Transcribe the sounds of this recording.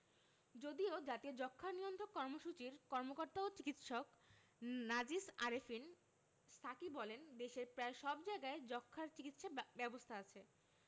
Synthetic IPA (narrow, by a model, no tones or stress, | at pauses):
d͡ʑod̪iod͡ʑat̪iod͡ʑɔkʰːaɾnijond̪ʱʰokːɔɾmoʃut͡ɕiɾkɔɾmokoɾt̪aot͡ɕikit̪ʃok | nad͡ʑisaɾefin | st̪ʰakibɔlend̪eʃeɾpɾaeʃɔbd͡ʑaeɡaed͡ʑɔkʰːaɾt͡ɕikit̪ʃabɛbost̪ʰaat͡ɕʰe